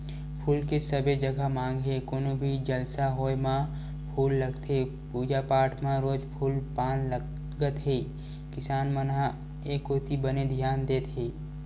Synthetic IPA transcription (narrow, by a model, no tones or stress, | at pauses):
pʰuːlkesəbed͡ʒəɡʱamãːŋɡɦekoːnobʱid͡ʒəlsaɦoːjmã | pʰuːlːəɡt̪ʰe | puːd͡ʒapaːʈʰmãɾoːd͡ʒpʰuːlpaːnə | ɡət̪ɦeː | kɪsaːnmənɦa | eːkoːt̪ibəned̪ʱjaːnd̪eːt̪ɦeː